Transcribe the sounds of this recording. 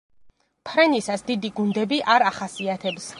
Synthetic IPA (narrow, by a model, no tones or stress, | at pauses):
pʰɾɛnisasd̪id̪iɡund̪ɛbiʔaɾaχasiat̪ʰɛbs